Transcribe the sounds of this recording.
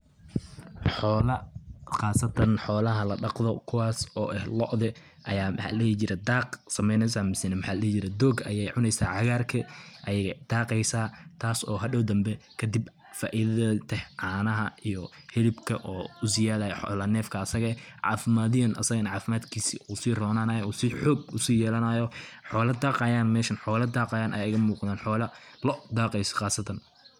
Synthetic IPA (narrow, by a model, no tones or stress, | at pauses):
ħɔːlɐχɑːsɐt̪ʰɐnħɔːlɐɦɐlɐɖɑqðɔkʰʊwɑːsɔːʔɛhlɔ̰ʔðɛ | ʔɐjaːmħa̰lɛt͡ʃɪɾɛd̪aːqsɐmɛjnɛsamɪsɪnɛmħaːllɛːt͡ʃɪɾɛd̪ɔːɡɐ̰jɛjʕʊnɛjsaːʕɑɣaːrkʰɐʔɐjɐɣɐd̪̥aːqɛjsaːt̪ʰaːsɔːɦɐɖɔwd̪ɐmbɛkʰɐd̪ɪb | fa̰ːʔiðɐðt̪ʰɛhʕaːnɐɦɐijɔhɛlɪbkʰɐʔɔːʊsɪjaːðajħɔ̰ːlɐnɛːfkʰɐːsɐɣɐʕɑ̰ːfɪmaːðɪjɐnʔɐ̰sɐɣɐnʕɑːfɪmaːd̪kʰiːsiʔusiːrɔːnaːnajuːsɪħɔːɡʊsiːjɛːlɐnɐːjɔħɔːlɐd̪aːqɑjaːnmɛːʃɐnħɔːlɐd̪aːqɑːjaːnʔɐ̰jɪɣɐmuːqd̪aːnħɔːlɐlɔd̪aːqɛjsɐ̥qɑːsɐt̪ʰɐn